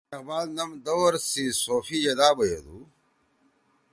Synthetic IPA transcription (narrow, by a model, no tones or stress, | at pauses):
ɐɣbaːlnɐmd̪owɾsisoːfid͡ʑɐd̪aːbɐjod̪u